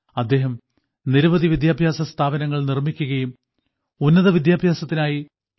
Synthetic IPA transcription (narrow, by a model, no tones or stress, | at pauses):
ɐd̪ːe̞ːɦɐm | niɾɐʋɐðiʋid̪jaːbʱjaːsɐst̪ʰaːbɐnɐŋːɐɭnirmikʲːuɣɐjum | unːɐðɐʋid̪jaːbʱjaːsɐt̪ːinaːji